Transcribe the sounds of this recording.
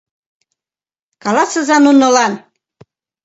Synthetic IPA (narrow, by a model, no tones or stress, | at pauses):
kɑlɑsə̆zɑnunə̆lɑn